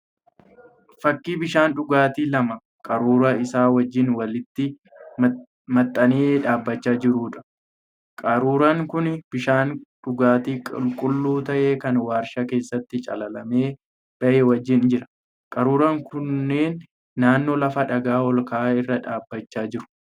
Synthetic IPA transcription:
fɐkːiːbɪʃaːnᶑʊɡaːt̪iːlɐmɐ | kʼɐɾuːɾɐɪsaːwɐd͡ʒːɪnwɐlɪt̪ːɪ | mɐt̪ʼːɐneːᶑaːbːɐt͡ʃːaːd͡ʒɪɾuːᶑɐ̥ | kʼɐɾuːɾɐŋkʊnb̥ɪʃaːnᶑʊɡaːt̪iːkʼɪ̰lkʼʊlːuːt̪ɐʔe̞ːkɐnwaːɾʃɐke̞ːsːɐt̪ːɪt͡ʃʼɐ̰lɐlɐme̞ː | b̥ɐʔeːwɐd͡ʒːɪnd͡ʒɪɾɐ̥ | kʼɐɾuːɾɐŋkʰʊnːeːnː | aːnːo̞ːlɐfɐᶑɐɡaːɔlkaːɪrːɐᶑaːbːɐt͡ʃːaːd͡ʒɪɾʊ̥

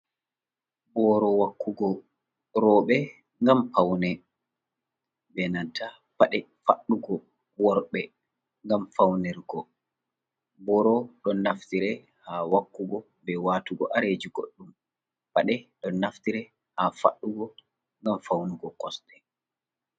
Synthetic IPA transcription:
bɔːɾɔwakʰːuɡɔ | ɾɔːɓɛ | ŋɡampawnɛ | bɛnatʰːa | paɗɛ | fa̰ɗːuɡɔ | wɔɾɓɛ | ŋɡamfawnɛɾɡɔ | bɔːɾɔɗɔnːaftiɾɛ | hawakːuɡɔ | bɛwaːtuɡɔ̰ʔaɾed͡ʒiɡo̰ɗːum | paɗɛɗɔnːaftiɾɛ | hafa̰ɗːuɡɔ | ŋɡamfawnuɡɔkɔsɗɛ

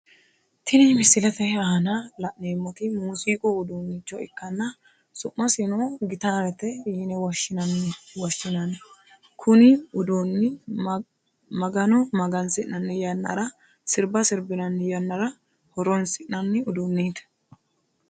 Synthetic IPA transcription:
t̪ʰɪnɪmɪsɪlɐt̪ɛhɐhɐnɐlɐʔneːmːɔt̪ɪmuːsiːkʼoʊd̪uːnːɪt͡ʃːɔɪ̰kːɐnːɐ | sʊʔːɐsɪnoːɡɪt̪aːɾɛt̪ɛjinɛwɐʃːɪnɐnwɔʃːɪnɐn | kʰʊnɪʊd̪onːɪ | mɐɡɐnɔmɐɡɐnsɪʔnɐnːɪjɐnːɐ̰ɾɐ | sɪɾbɐsɪɾbɪnɐnːɪjɐnːɐɾɐ | hɔɾɔnsɪʔnɐnːɪʊd̪unːiːt̪ɛ̥

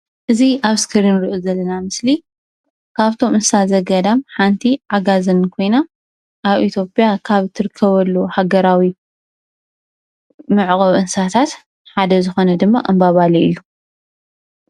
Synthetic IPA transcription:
ʔɨziʔaβskʰɨɾinɾiʔozɐlːɐnamɨsli | kʰaβt̪ʰo̞mɨnsazɐɡɐd̪amħant̪ʰiʕaɡazɨnkʰo̞jna | ʔaβʔit̪ʰjo̞pʼijakʰaβt̪ʰɨɾɨkʰːɐβɐlːuhaɡɐɾawi | mɨʕɣʼɐβɨnsat̪ʰat̪ | ħad̪ɐzɨxo̞nɐd̪ɨmːaʔɐmbaβaliḭlːu

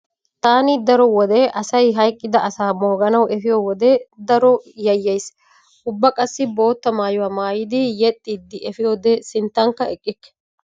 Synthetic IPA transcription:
t̪aːnɪd̪ɐɾɔwɔd̪ɛʔɐsɐjɦɐjkʼːɪd̪ɐʔɐsaːmoːɡɐnɐwɛfɪjowɔd̪ɛd̪ɐɾɔjɐjːɐjs | ʔʊbːɐkʼɐsːɪbo̞ːt̪ːɐmaːjʊwaːmaːjɪd̪ɪjɛt̪ʼːiːd̪ːɪʔɛfɪjoːd̪ɛsɪnt̪ːɐŋkːɐɛkʼːɪkːɛ̥

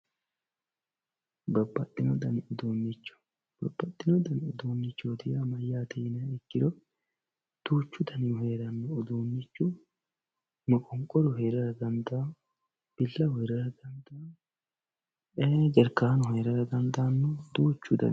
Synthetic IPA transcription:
bɐbːɐt̪ʼːɪnɔd̪ɐnɪʊd̪uːnːɪt͡ʃːʊ̥ | b̥ɐbːɐt̪ʼːɪnɔd̪ɐnʊd̪uːnːɪt͡ʃːɔd̪ɪjaːmɐjːaːt̪ɛjɪnɐɪkːɪd̪ɔ | d̪̥uːt͡ʃːʊd̪ɐnɪjʊheːɾɐnːɔʊd̪uːnːɪt͡ʃːʊ | mɔkʼɔŋkʼːɔɾɔɦeːɾɐɾɐɡ̪ɐnd̪aː | b̥ɪlːɐhɔjɾɐɾɐɡ̪ɐnd̪aː | ed͡ʒɛɾkaːnɔhɛjɾɐɾɐɡ̪ɐnd̪aːnːɔd̪uːt͡ʃːʊd̪ɐ̰

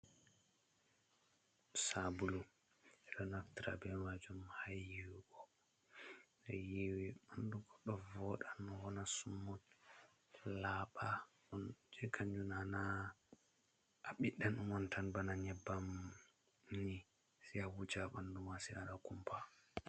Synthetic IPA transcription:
sabulu | ɛɗɔnaftiɾa̰bɛmad͡ʒumhajːiwiɡɔ | nɛjiwiɓanduɡɔɗɔvɔɗanɔwɔnasumːɔt | laɓa | ɗɔnd͡ʒɛkʰaɲd͡ʒunana | ɓiɗːanumɔntʰanbanaɲɛbːam | ni | siawud͡ʒaɓandumasia̰ɗakumpʰa

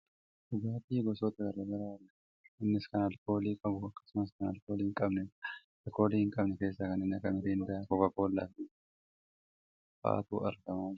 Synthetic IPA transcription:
d̪̥ʊɡaːt̪iːɡɔsɔt̪ɐɡɐɾɐɡɐɾaːlɐ | ɪnːɪskɐnɐlko̞ːliːkʼɐbʊɐkːɐ̥sʊmɐs̬kɐnɐlkoːliːɪŋkʼɐbnɛ | lko̞ːliːhɪŋkʼɐbnɛke̞ːsːɐkɐnɪnːɐkːɐmɪɾiɪnd̪ɐakɔkɐko̞ːlːa̰fi | ba̰ːt̪ṵːɐɾɡɐmaːd͡ʒ

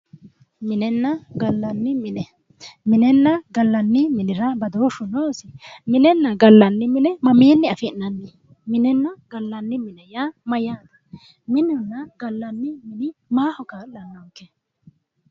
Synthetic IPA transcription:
mɪnɛnːɐɡɐlːɐnːɪmɪnɛ | mɪnɛnːɐɡɐlːɐnːɪmɪnɪɾɐbɐd̪oːʃʊnoːsɪmɪnɛnːɐɡɐlːɐnːɪmɪnɛmɐmeːnːɪɐfɪnːɐnːe | mɪnɛnːɐɡ̥ɐlːɐnːɪmɪnɛjamɐjaːd̪ɐ̥ | mɪnʊnːɐɡɐlːɐnːɪmɪnɪmaːhɔkaːllɐnːɐkːɛ

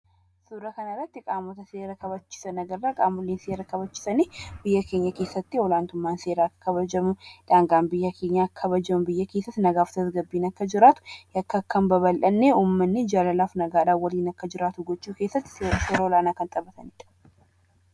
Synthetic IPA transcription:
suːɾɐkɐnɐrɐt̪ːɪkʼaːmɔt̪ɐseːɾɐkɐbɐt͡ʃːɪ̥sɐnɐɡɐɾːaːkʼaːmʊlːeːnseːɾɐkɐβɐt͡ʃːɪ̥sɐneːbɪjːɐkʰe̞ːɲːɐke̞ːsːɐt̪ːiwɔlaːnt̪ʊmːaːnse̞ːɾaːkːɐ̥kʰɐβɐd͡ʒɐmuᶑaːŋɡaːmbɪjːɐkʰe̞ːɲːakʰːɐbɐd͡ʒɐmbɪjːɐke̞ːsːɐt̪ːnɐɡaːft̪ʰɐsɡɐbːiːnɐkːɐd͡ʒɪɾaːt̪ʊ̥jɐkːɐkːɐmbɐβɐlʔɐnːeuːmːɐnːed͡ʒalɐlaːfnɐɡaːᶑaːwɐliːnɐkːɐd͡ʒɪɾaːt̪ʊɡɔt͡ʃːuːkesːɐt̪ːseɾseɾɐwɔlaːnaːkɐnt̪ʼɐbɐt̪ʰɐnɪᶑɐ̥

